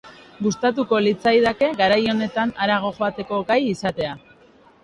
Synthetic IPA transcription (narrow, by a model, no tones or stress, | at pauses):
ɡust̪at̪̬uko̞lit͡sajðake̞ɣaɾajo̞ne̞t̪anaɾaɣ̞o̞ʝo̞at̪e̞ko̞ɡajisat̪e̞a